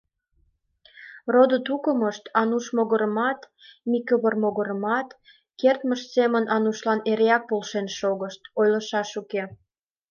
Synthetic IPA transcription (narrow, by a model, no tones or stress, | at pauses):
rod̪ət̪ukəməʃt̪ɑnuʃmoɣəɾəmɑt̪ | mikəβərmoɣoɾəmɑt̪ | kert̪məʃsemənʔɑnuʃlɑneɾeɑk̚polʃenʃoɣəʃt̪ojləʃɑʃuke